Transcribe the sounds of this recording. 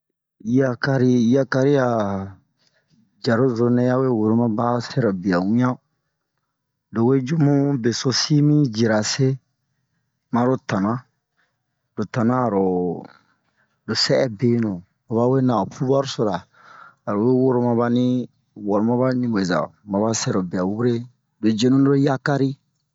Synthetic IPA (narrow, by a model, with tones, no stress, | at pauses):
i˦a˦ka˧ɾi˦i˦a˦ka˧ɾi˦ja˨ | d͡ʒa˨ɾo˦zo˨nẽ˦ja˦we˦wo˨ɾo˨˦mã˦ba˦se˦ɾa˨bi˨a˨wĩ˦ã˦ | do˨we˦d͡ʒu˦mũ˦be˨so˧si˦mĩ˦d͡ʒi˨ɾa˨se˦ | mã˦ɾo˦ta˨nã˦ | d̥o˨ta˨nãː˦˨ɾo˨ | do˨sɛ˦ɛ˦be˦nũ˨ | o˨βa˦we˦na˨fu˦ba˦ɾo˦so˨ɾaː˨ | ɾo˨we˦wo˦ɾo˧mã˧ba˦nĩ˦ | wɔ˨ɾo˨mã˦ba˦nĩ˦we˨za̰˨ma˨ba˦sɛ˦ɾo˨bi˨a˨wu˦ɾe˦ | do˨d͡ʒe˦nũ˦no˦ɾo˦ja˦ka˦ɾi˦